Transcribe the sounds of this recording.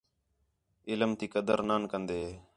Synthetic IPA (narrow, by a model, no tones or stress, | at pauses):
ɪlmt̪iːkəd̪əɾnaːnkənd̪eː